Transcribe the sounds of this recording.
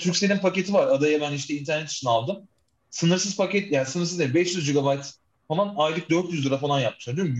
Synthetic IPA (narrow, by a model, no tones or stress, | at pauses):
t̪ʰyɾcʲse̞nʲinpʰake̞t̪ʰivaɾad̪ajabæniʃt̪ɛint̪ʰæɾnɛt̪ʰi̥t͡ʃʰinalˠd̪ɯm | sɯnɯɾsɯzpacɛt̪jasɯnɯɾs̬ɯzeibɛʃjyzd͡ʒiɡabajt̪ | falˠanajlˠɯk̚d̪øɾt̪jyzd̪ɯɾafalˠanjap̚mɯʃaɾd̪yjom